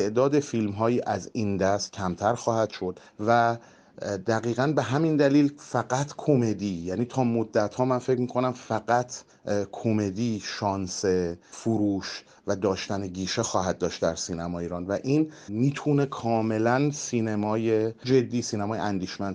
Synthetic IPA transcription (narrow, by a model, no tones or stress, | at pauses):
eʔd̪ɒːd̪e̞filmɦɒːjiːʔæzind̪æst̪̚cʲʰæmt̪ʰæɾxɒːhæd̪̥ʃo̞d̪̥ | væ | d̪æɣiːɣænbe̞ɦæmind̪æliːlfæɢæt̪ʰkʰo̞me̞d̪iːjæːniːt̪ʰɒːmod̪ːæt̪hɒːmænfecmiːkʰo̞næmfæɡæt̪ʰ | kʰome̞d̪iːʃɒːnsefuɾuːʃ | væd̪ɒːʃt̪æneɡiːʃexɒːɦæd̪̚dːɒːʃt̪d̪æɾsiːnæmɒːjiːɾɒːnvæʔiːnmiːt̪ʰune̞kʰɒːme̞lænsiːnemɒːjed͡ʒe̞d̪ːiːsiːnæmɒːjḛænd̪iːʃmænd̪